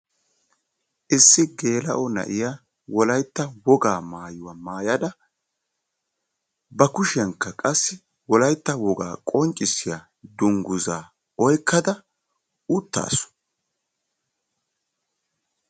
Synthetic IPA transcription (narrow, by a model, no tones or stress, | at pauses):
ʔɪsːɪɡe̞ːlɐ̰ʔɔnɐ̰ʔɪja | wɔlɐjt̪ːɐwɔɡaːmaːjʊwamaːjɐd̪ɐ | bɐkʊʃɪjɐŋkːɐkʼɐsːɪ | wɔlɐjt̪ːɐwɔɡa̰ːkʼɔnt͡ʃʼːɪsɪja | d̪ʊŋɡʊzaː | ɔjkʰːɐd̪ɐ | ʊt̪ːa̰ːsɔ̥